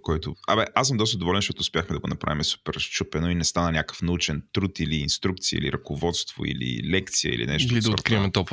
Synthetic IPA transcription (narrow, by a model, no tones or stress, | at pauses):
kɔjt̪ʊabɛʔasəmd̪ɔst̪əd̪ovɔlɛnʃt͡ʃ̪ɔt̪ʊːspʲjaxmɛd̪ɐɡonɐpɾa̰vimɛsu̥pɛɾʃt͡ʃupɛnoinɛst̪anɐnʲakə̥fnɐut͡ʃɛnt̪ɾut̪iliːnst̪ɾuk̚t̪siə̰ḭlḭɾɐkʊvɔt̪st̪vo̰ḭlḭlɛkt̪siə̰ḭlḭnɛʃt̪olid̪ɐot̪kɾiɛmɛt̪ɔp